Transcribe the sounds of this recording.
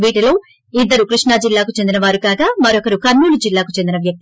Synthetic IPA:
ʋiːʈilo̞ː | id̪ːɐɾukɾiʂɳaːd͡ʒilːaːkut͡ʃe̞nd̪inɐʋaːɾukaːɡaːmɐɾɔkɐɾukɐɾnuːlud͡ʒilːaːkut͡ʃend̪inɐʋjɐk̚t̪i

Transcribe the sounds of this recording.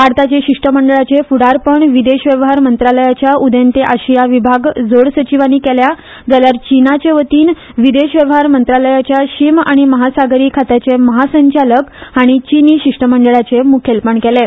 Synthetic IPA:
aɾt̪at͡ɕeɕiʂʈəməɳɖəɭat͡sefuɽaɾpəɳʋid̪eɕʋjəʋəɦaɾmənt̪ɾaləjat͡ɕjaud̪ent̪eʔaɕijaʋibʱaɡd͡zoɽsət͡ɕiʋaniːkɛlja | d͡zaljaɾt͡ɕinat͡ɕeʋət̪iːn | ʋid̪eɕʋjəʋəɦaɾmənt̪ɾaləjat͡ɕjaɕimaɽ̃iməɦasaɡɾiːkʰat̪at͡ɕeməɦasəɲt͡ɕaləkaɽ̃it͡ɕiniːɕiʂʈəməɳɖəɭat͡semukʰelpəɳkɛle

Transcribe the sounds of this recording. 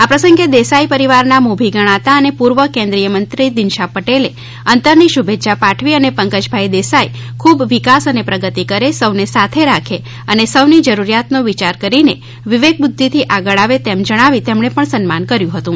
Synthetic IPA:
apɾəsə̃ŋɡed̪esaipəɾiʋaɾnamubʱiɡəɽ̃at̪aənepuɾʋəkẽnd̪ɾijəmənt̪ɾid̪ɪnʃapəʈele | ənt̪əɾniʃubʱet̪ːʃʰapaʈʰʋiənepəŋkəd͡ʒbʱaid̪esai | kʰubʋikasənepɾəɡət̪ikəɾesəʋnesat̪ʰeɾakʰe | ənesəʋnid͡ʒəɾuɾijat̪noʋit͡ʃaɾkəɾine | ʋɪʋek̚bʊd̪ʱːit̪ʰiʔaɡəɭaʋet̪emd͡ʒəɽ̃aʋit̪emɳ̃epəɳsənmankəɾjũɦət̪ũ

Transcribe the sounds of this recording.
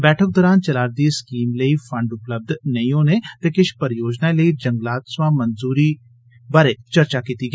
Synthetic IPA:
bɛːʈʰək̚d̪ɔːɾaːnt͡ʃəlaːɾd̪iːskiːmləiːfʰə̃ɳɖʊpləb̚d̪nəĩɦoːneːt̪eːkɪʃpəɾjoːd͡ʒnaləiːd͡ʒəŋɡlaːt̪sʋãːmənzuːɾiː | baːɾeːt͡ʃəɾt͡ʃaːkiːt̪iːɡɛː

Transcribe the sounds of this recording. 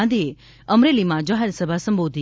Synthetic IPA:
d̪ie | əmɾelimãd͡ʒaɦɛɾsəbʱasə̃mbod̪ʱi

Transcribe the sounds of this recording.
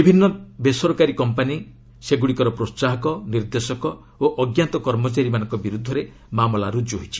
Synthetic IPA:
bibʱinːɔbesɔɾɔkaɾikɔmpani | seɡuɽikɔɾɔpɾossaɦɔkɔniɾd̪esɔkɔ | oʔɔɡjant̪ɔkɔɾmɔt͡ʃaɾimanɔ̃ŋkɔbiɾud̪ʱːɔɾe | mamɔlaɾud͡ʒoɦit͡ʃʰi̥

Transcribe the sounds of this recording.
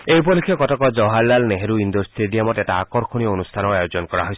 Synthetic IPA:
eɦipɔlikʰjɔkɔtɔkɔd͡ʒɔɦalːalneɦeɾuind̪ɔɾsʈeɖiamɔteʈaakɔɾkʰoɽ̃iɔonust̪ʰanɔajod͡ʒɔnɔkɔɾa̰ɦɔjsʰ

